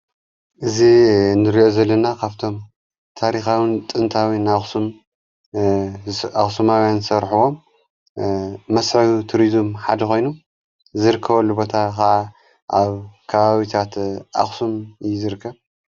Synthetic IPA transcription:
ʔɨzinɨɾiʔo̞zɐlːɐnakʰaβt̪ʰo̞m | t̪ʰaɾixawɨnt̪ʼɨnt̪ʰawinaxsum | axsumawjansɐɾħuwo̞m | ɐsʕiβut̪ʰuɾizmħad̪ɐkʰo̞jnu | zɨɾɨkʰːɐβoluβo̞t̪ʰakɐʕa | ʔaβkʰɐβaβit̪ʰat̪ʔa̰xsumjzɨɾɨkʰːɐβ

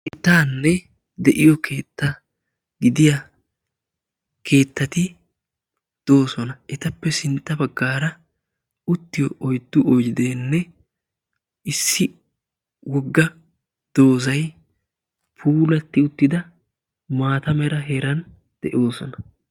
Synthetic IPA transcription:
ʔɪt̪aːnːɛ | d̪ɛʔɪjɔkʰe̞ːt̪ːɐ | ɡɪd̪ɪja | kʰe̞ːt̪ːɐt̪ɪ | d̪̥o̞ːsɔnɐʔɛt̪ɐpːɛsɪnt̪ʼːɐbɐɡːaːɾɐ | ʊt̪ːɪjɔʔɔjd̪ːʊʔɔjɪd̪eːnːɛ | ɪsːɪ | wɔɡːɐ | d̪̥o̞ːsɐj | pʰuːlɐt̪ːɪʊt̪ːɪd̪ɐ | maːt̪ɐmɛɾɐɦɛɾɐn | d̪̥ɛʔo̞ːsɔnɐ

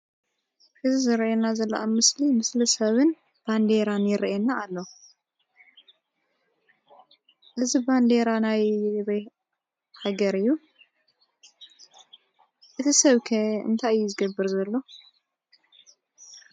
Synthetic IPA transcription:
ʔɨzizɨɾʔenazɐlːɐ̰ʔamɨslimɨslisɐβɨn | b̥and̪eɾanjɪɾʔenaːlːo | ʔɨziband̪eɾanajβe | haɡɐɾɨjːu | ʔɨt̪ʰisɐβkʰɐɨ̰nt̪ʰaɨjːuzɨɡɐbːɨɾzɐlːo̞

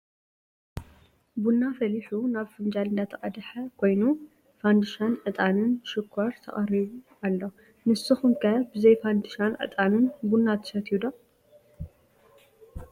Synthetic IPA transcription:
bunːafɐliħunaβfɨnd͡ʒalɨnd̪at̪ʰɐkʼɐd̪ħɐkʰo̞jnu | fand̪ɨʃanʕɨt̪ʼanɨnʃɪkʰːɐɾt̪ʰɐ̰χʼɐɾiβu | alːo | mɨsɨxɨŋkʰɐbɨzɐjfand̪ɨʃanʕɨ̰t̪ʼanɨnbunːat̪ʰɨ̥ʃɐt̪ʰjud̪o

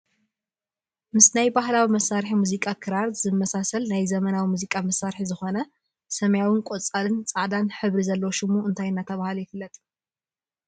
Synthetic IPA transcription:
mɨsnajbahlawimɐsaɾħimuzikʼakʰɨɾaɾzɨmːɐsasɐlnajzɐmɐnawimuzikʼamɐsːaɾħizɨxo̞nɐ | sɐmjawinkʼot͡sʼalɨnt͡sʼaʕd̪anħɨβɾizɐlːɐwʃɪmuɨnt̪ʰajnːat̪ʰɐβahlujɪfɨlːɐt̪ʼ

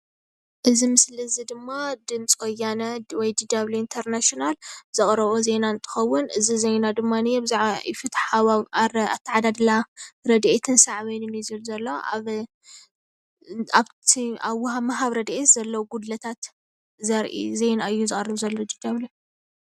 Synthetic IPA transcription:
ʔɨzimɨslɨzid̪ɨmːad̪ɨnt͡sʼkʰojanɐwɔjd̪id̪aβluint̪ʰɐɾnaʃonalz̥ɨχʼɾɐβozenaɨnt̪ʰɨ̥xɐwːʊnɨzizejnad̪ɨmːanɨjebzɪfɨt̪ħaβa̰t̪ʰiʕad̪ad̪laɾɐd̪ʔet̪ʰɨnsaʕβinɨnizɨlzɐlːoa̰β | aβʰiaβwhamɐɦaβɾɐd̪ʔet̪z̥ɐlːɐwɡud̪lɐt̪ʰat̪ | zɐɾʔḭzejnaɨjːuzɨχʼɐrːɨβzɐlːod̪id̪aβli

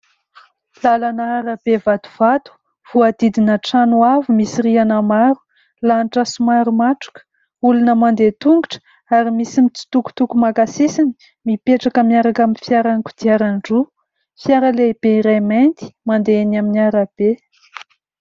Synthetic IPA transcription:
lalanəaɾab̥evad̪u̥v̥at̪u̥ | v̥uad̪̥id̪inəʈ͡ʂanuavumisiɾianəmaɾu̥ | lanʈ͡ʂasumaɾumaʈ͡ʂu̥kə̥ | ulunəmand̪et̪uŋɡuʈ͡ʂə̥ | aɾimisimit͡si̥t̪uku̥t̪ukumakasisini̥ | mipeʈ͡ʂakəmiaɾakaminfjaɾankud̪̥iaɾanɖ͡ʐu | fjaɾəleb̥eiɾament̪i̥mand̪eenaminiaɾab̥e

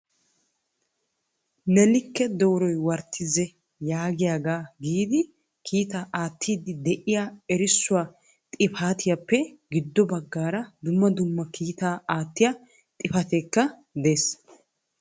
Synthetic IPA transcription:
nɛlɪkːɛd̪oːɾɔjwɐɾt̪ʰːɪzɛ | jaːɡɪjaːɡaːɡiːd̪ɪ | kʰiːt̪aːʔaːt̪ːiːd̪ɪd̪ɛʔɪjaɛɾɪsːʊwaː | t̪ʼɪfaːt̪ʰɪjapːɛɡɪd̪ːɔbɐɡːaːɾɐd̪ʊmːɐd̪ʊmːɐkʰiːt̪aːaːt̪ːɪjɐ | t̪ʼɪfɐt̪ekːɐ | d̪eːs

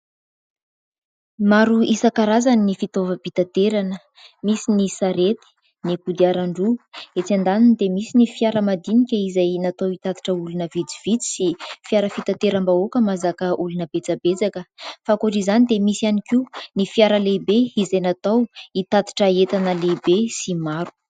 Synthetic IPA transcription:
maɾuisakaɾazaninifit̪ovəbit̪at̪eɾanə | misinisaɾet̪i̥ | nikud̪iaɾaɳɖ͡ʐuet͡sand̪aninid̪emisinifiaɾəmad̪inikʲəizajnat̪owit̪ad̪i̥ʈ͡ʂəulunəvid͡ziv̥it͡si̥sifiaɾəfit̪at̪eɾambaokəmazakəʔulunəb̥et͡sabet͡sakəfakuaʈ͡ʂizanid̪emisianikinifjaɾəlebeizajnat̪awit̪at̪i̥ʈ͡ʂəet̪anəlebesimaɾu̥

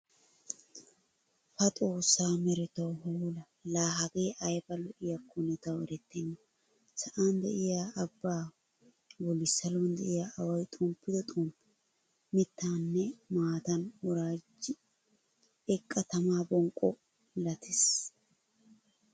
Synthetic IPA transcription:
fɐt̪ʼo̞ːsːaːmɛɾɪt̪ɐwhʊlɐ | laːɦɐɡeːʔɐjbɐlɔʔɪjɐkːʊnɪt̪ɐwɛɾɛt̪ːɛnːɐ | sɐʔand̪ɛ̰ʔɪjaːbːaː | wɔlɪsːɐlond̪ɛʔɪjaʔɐwɐjt̪ʼʊmpːɪd̪ɔt̪ʼumpɪ | mɪt̪ːaːnːɛmaːt̪ɐnwɔɾaːd͡ʒɪ | ɛkʼːɐt̪ɐmaːbɔŋkʼːɔ | lɐt̪ʰɪs

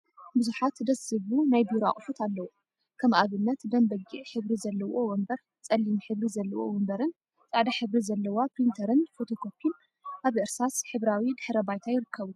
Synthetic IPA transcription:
bɨzuħat̪d̪ɐsɨβunajbiɾoa̰χʼfut̪ʰalːɐwo | kʰɐmʔaβɨnːɐt̪d̪ɐmbɐɡiʕħɨβɾizɐlːɐwowɔmbɐɾ | t͡sʼɐlːimħɨβɾizɐlːɐwowɔmbɐɾɨn | t͡sʼaʕd̪aħɨβɾizɐlːɐwapɾint̪ʰɐɾɨnfot̪ʰo̞kʰo̞pʰin | ʔaβʔɨɾsasħɨβɾawid̪ɨħɾɐbajt̪ʰajɪɾɨkːɐβu

